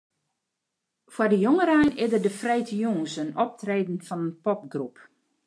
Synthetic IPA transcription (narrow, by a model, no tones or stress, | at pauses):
fwardəjoŋəɾajnɪdərdəfrɛjtʰəjuŋəsənɔp̚treːdn̩fɔnənpɔp̚ɡrup